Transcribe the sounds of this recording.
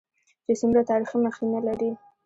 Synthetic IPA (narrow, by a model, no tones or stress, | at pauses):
d͡ʒesumɾat̪ɑɾiximaxinalaɾi